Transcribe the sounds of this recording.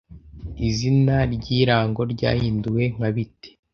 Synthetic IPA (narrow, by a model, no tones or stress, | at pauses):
izinaɾɟiːɾaːŋɡo̞ɾɟa̰ːhiːnduwe̞ŋ̥aβite̥